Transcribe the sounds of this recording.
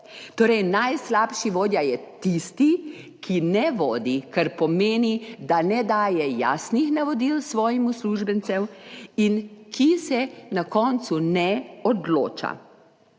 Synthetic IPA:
t̪oːɾɛjnajslaːpʃiʋoːd̪jajɛt̪ist̪i | kʰinɛʋɔːd̪ikaɾpɔmeːnid̪anɛd̪aːjɛja̰ːsnixnaʋɔd̪ilsʋɔːjimusluʒbɛnt̪sɛminkisɛnakɔnt̪sunɛɔd̪lo̰ːt͡ʃa̰

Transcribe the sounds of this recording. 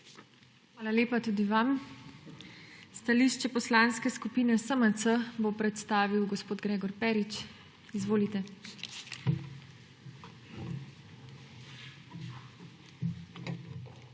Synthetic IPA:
xʋaːlaleːpat̪uːd̪iʋam | st̪aliːʃt͡ʃɛpɔslaːnskɛskupiːnɛsəmət̪səbopɾɛt̪st̪aːʋiwɡɔspoːd̪ɡɾeːɡɔɾpɛːɾit͡ʃ | izʋoːlit̪ɛ

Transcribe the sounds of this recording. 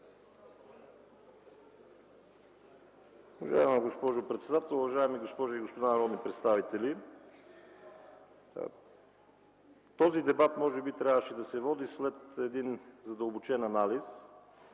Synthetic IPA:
uvɐʒa̰ɛməɡospɔʒʊpɾɛt̪sɛd̪at̪ɛlˠuvɐʒaɛmiɡospɔʒoiɡospod̪anɐɾɔd̪nipɾɛt̪st̪avit̪ɛli | t̪ɔzid̪ɛbat̪mɔʒɛbit̪ɾjavəʃɛd̪ɐsɛvɔd̪islɛt̪ɛd̪inzɐd̪əlˠbot͡ʃɛnɐnalis

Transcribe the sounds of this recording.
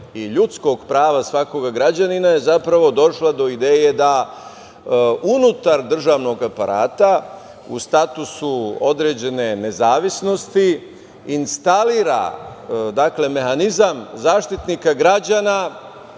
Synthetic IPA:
iʎut̪sko̞ɡpɾaːʋasʋako̞ɡaɡɾad͡ʑaninaje̞zapɾaʋo̞d̪o̞ʃlˠad̪o̞id̪eːje̞d̪a | unut̪aɾd̪r̩ʒaːʋno̞ɡapaɾʔa̰ːt̪a | ṵst̪at̪usuo̞d̪ɾe̞d͡ʑe̞ne̞ne̞zaːʋisno̞st̪i | inst̪aliːɾa̰ | d̪akle̞me̞hanizamzaːʃt̪it̪nikaɡɾad͡ʑana

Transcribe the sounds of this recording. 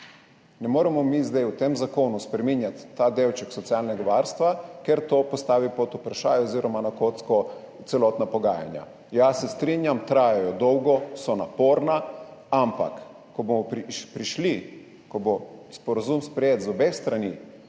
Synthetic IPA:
nɛmoːɾɛmɔmizd̪ajwt̪emzakoːnuspɾɛminjat̪ːad̪ewt͡ʃɛksɔt̪siaːlnɛɡaʋaɾst̪ʋakɛɾt̪oːpɔst̪aːʋipot̪upɾaʃa̰ːjoziːɾɔmanakot̪skɔ | t̪sɛlɔːt̪napɔɡaːja̰nja̰ | jasɛst̪ɾinjamt̪ɾaːjajɔd̪ɔwɡɔsɔnapoːɾnaampa̰kː | ɔbomɔppɾiʃli | kɔbospɔɾazumspɾɛjeːt̪zɔbest̪ɾanḭ

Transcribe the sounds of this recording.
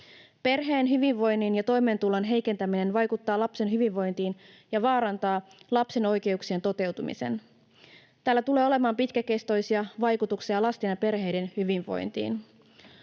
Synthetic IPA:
pe̞rɦe̞ːnɦyʋiʋʋo̞jnːinjɑt̪o̞jme̞ːnt̪ulɑnɦe̞jke̞nt̪æmine̞nʋɑjkut̪ːɑːlɑpse̞nɦyʋiʋʋo̞jnt̪iːn | jɑʋɑːɾɑnt̪ɑːlɑpse̞no̞jke̞uksie̞nt̪o̞t̪e̞wt̪umḭse̞̰n | t̪æːlːæt̪uleːo̞le̞mɑːmpit̪kæke̞st̪o̞jsiɑʋɑjkut̪uksiɑlɑst̪inɑpe̞rɦe̞jde̞nhyʋiɱʋo̞̰jnt̪ḭːn

